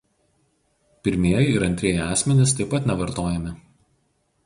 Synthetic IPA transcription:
pʲɪɾʲmʲiɛjɪɪɾɐnʲt̪ʲɾʲiɛjɛɑːsʲmʲɛnʲɪst̪ɐɪpɐt̪ʲnʲɛʋɐɾt̪oːjɛmʲɪ

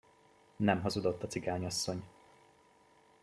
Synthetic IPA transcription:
nɛmɦɒzud̪o̞t̪ːɒt̪siɡaːɲɒsːo̞ɲ

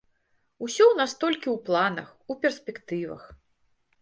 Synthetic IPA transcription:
usʲɔwnast̪ɔlʲkʲiwplˠanɐ̰xupʲɛrsʲpʲɛkt̪ɨvɐ̰x

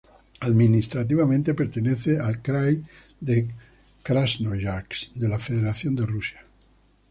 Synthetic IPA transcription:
aðminist̪ɾat̪̬iβamẽnt̪e̞peɾt̪eneθealkɾaj | d̪e | kɾaznojaɾksd̪e̞lafeðeɾaθjo̞nd̪e̞rusja

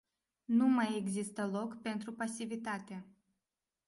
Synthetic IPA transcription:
numajeɡzist̪əlo̞kpe̞nt̪ɾupasivit̪at̪e

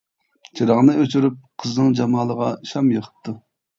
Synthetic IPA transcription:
t͡ʃʰiɾɑʁnɨøt͡ʃʰyɾyp̚qʰəznɨŋd͡ʒɑmɑːlˠəʁɑʃɑmjəχʰə̥t̪ʰːu

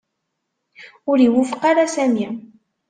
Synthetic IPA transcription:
ʊɾiwʊfə̥qɑɾasæmi

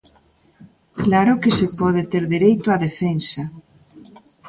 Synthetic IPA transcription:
klaɾokesepɔð̞et̪eɾðeɾejt̪ʊaðefensa

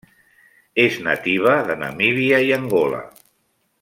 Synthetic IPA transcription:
eznə̰t̪iβ̞əðənə̰miβiajəŋɡola̰

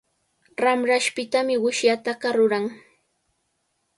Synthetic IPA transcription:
ɾamɾaʃpɪt̪amɪwɪʃjat̪ɑɢɑɾʊɾaŋ

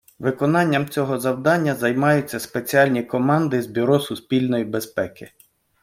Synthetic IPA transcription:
ʋɪkɔnɑnʲːɐmt͡sʲɔɦɔzɐwd̪ɑnʲːɐzɐjmɑjʊt͡sʲːɐspet͡sʲiɑlʲnʲikɔmɑnd̪ɪzbʲiɾɔsʊspʲilʲnɔjibespɛkɪ

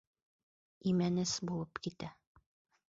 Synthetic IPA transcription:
imænɘsbulˠɤpkit̪æ

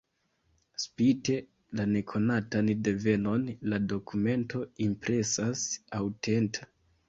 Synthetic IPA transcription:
spite̞ | lane̞kʰo̞natande̞ve̞no̞nlado̞kʰume̞nto̞impɾe̞sasawtʰe̞nta

